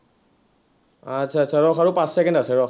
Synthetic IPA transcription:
at͡ʃʰaːsʰaɹɔxaɹupãssɛkɛndasɛɹɔx

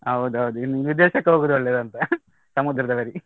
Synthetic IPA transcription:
ɦɐwd̪uɦɐwd̪uinːiʋid̪eːʃɐkːɐɦoɡuːd̪uɔɭːeːd̪ɐnt̪ɐ | sɐmud̪ɾɐd̪ɐʋɐɾi

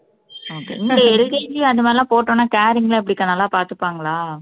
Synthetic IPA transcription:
oːkḛːɪnd̪ɐɛɾɯɣeːɲd͡ʒijɐðɯmaːðlɪlãːpoːʈːõːnːaːkaːɾɪŋɡɐlɐɐpːɐɽɪkːɐnaːlːaːpaːɾt̪ɯpːaːŋɡɐɭaː

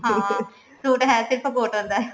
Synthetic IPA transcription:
ɦãː | suːʈɦɛːsɪɾpʰkoːʈõnd̪a

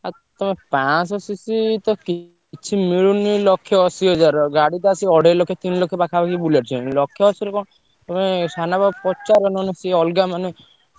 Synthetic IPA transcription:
a | t̪ɔmepãsɔsisit̪ɔki | t͡ʃʰimiɭunilɔkʰjɔɔsiɔd͡ʒaɾɡaɽit̪aasiɔɽelɔkʰːjɔt̪inlɔkʰːjɔpakʰabakibulaɾt͡ʃʰilɔkʰːjɔɔsiɾekɔ | t̪ɔmesanabapɔt͡ʃaɾɔnɔnɔsiɔlɡamane

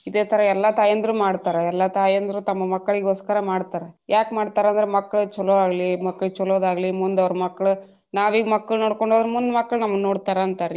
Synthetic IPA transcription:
id̪eːt̪ʰɐɾɐɛlːat̪aːjɐnd̪ɾuːmaːɽt̪aːɾeɛlːat̪aːjɐnd̪ɾuːt̪ɐmːɐmɐkːɐɭiɡoːskaːɾɐmaːɽt̪aːɾejʔaːkmaːɽt̪aːɾeɐnd̪ɾemɐkːɐɭut͡ʃɔloaːɡlimɐkːɐɭut͡ʃɔloːd̪aːɡɐlimund̪ɐʋɐɾɐmɐkːɐɭu | naːʋiːɡmɐkːɐɭunoːɽkoɳɖoːd̪ɾemund̪mɐkːɐɭnɐmːɐnoːɽt̪aːɾɐɐnt̪aɾ

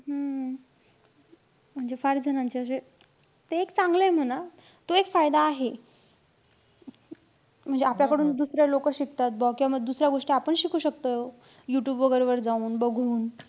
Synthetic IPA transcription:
ɦə | m̤əɳd͡zefaɾd͡zʱənant͡ɕeəɕe | t̪eekt͡sãŋɡləem̤əna | t̪oekfajd̪aːɦe | m̤əɳd͡zeapljakəɽuːnd̪usɾjalokəɕik̚t̪at̪̚bɔkĩwʋaməɡd̪usɾjaɡoʂʈiapəɳɕikʰuːɕək̚t̪ə | juʈjuːbʋəɡəɾeʋəɾd͡zauːnbəɡʱuːn

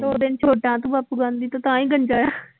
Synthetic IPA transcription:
d̪oːd̪ɪnt͡ʃʰoːʈãːt̪ũbaːpuːɡãːnd̪iːt̪õːt̪ãːĩːɡəɲd͡ʒaːjaː

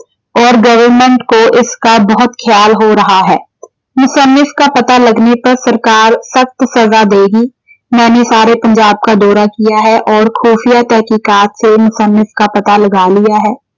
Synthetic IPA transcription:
ɔːɾɡɐʋəɾmə̃ɳʈkoʔɪskabɐɦʊt̪kʰjaːlɦoɾɐɦaɦɛː | mʊsənːɪfkapɐt̪alɐɡnepɐɾsɐɾkaːɾsɐxt̪sɐzad̪eːɡi | nɛːnesaːɾepɐ̃ɲd͡ʒaːb̚kad̪ɔːɾakijaɦɛʔɔːɾxuːfijat̪ɛɦkiːkaːt̪semʊsənːɪfkapɐt̪alɐɡaːlijaɦɛː

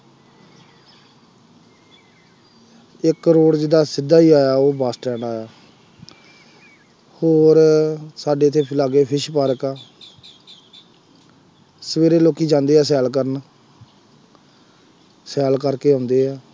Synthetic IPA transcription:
ɪkːɾoːɽd͡ʒɪd̪aːsɪd̪ːaːiːaːjaːoːbaːsʈɛːɳɖaːjaː | hoːɾsaːɖeːt̪ʰːeːpʰɪlaːɡeːpʰɪʃpaːɾəkaː | səʋeːɾeːloːkiːd͡ʒãːnd̪eːɛːs̬ɛːlkəɾən | sɛːlkəɾkeːɦʊ̃ːnd̪eːɛː

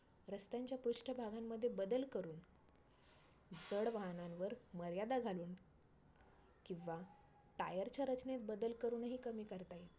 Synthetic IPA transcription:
ɾəst̪jaɲt͡ɕjapɾuʂʈʰəbʱaɡamːəd̪ʱːjebəd̪əlkəɾuːn | d͡zəɽʋaɦnãnʋəɾməɾjad̪aɡʱaluːn | kĩw̃ʋa | ʈajəɾt͡ɕjaɾət͡ɕnet̪̚bəd̪əlkəɾuːnɦiːkəmiːkəɾt̪ajet̪

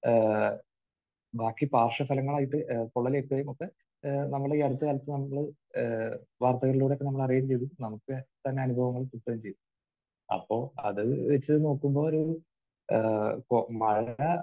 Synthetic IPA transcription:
baːkːipaːrʂɐfɐlɐŋːɐɭaːjiʈːɨkoɭːɐleːʈːuʋɐjumokːe | nɐmːɐɭɽeeɽɐt̪ːɨkɐlɐt̪ːɨnɐmːɐɭɨ | ʋaːrt̪ɐɣɐɭiluːɽekːeɐmːɐɭɐrijɐt͡ɕejðunɐmukːɨt̪ɐnːe̞ɐnubʱɐʋɐŋːɐɭt̪uʈːɐjumt͡ɕe̞ju | ɐ̰pːo̞ːɐ̰ðɨʋet͡ɕːɨno̞ːkːumbo̞ːoɾu | komɐɾnɐ

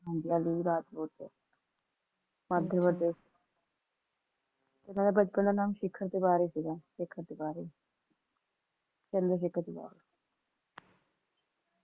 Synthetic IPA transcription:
ɦãnd̪ijaːliːɾaːt̪loːt͡ʃɛ̰ː | mad̪əʋəɖeː | t̪ɪnãːnebət͡ʃpənd̪aːnaːmʃɪkʰːəɾt̪eːbaːɾeːsiɡãːʃɪkʰːəɾt̪eːbaːɾeː | t͡ʃənd̪ɾəʃ̬ɪkʰːəɾt̪ḛba̰ːɾeː

